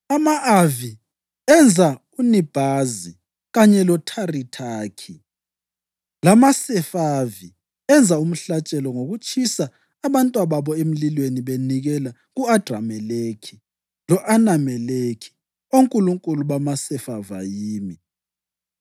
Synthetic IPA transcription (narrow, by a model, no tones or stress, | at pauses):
amaʔavi | ɛnd͡zʱa | unib̥ʱazi | ɣaɲɛlɔtʰaritʰaːkʰi | lamasɛfavi | ɛnd͡zʱaum̩ɬat͡ʃʼɛlɔŋoɣut͡ʃʰʼisaː | βantʼwaβaβɔem̩lilweniβeniɣɛla | ɣuad̥ʱra̰mɛlekʰi | lɔʔanamɛlekʰi̥ | oŋkʼuluŋkʼuluβamasɛfava̰jiːmi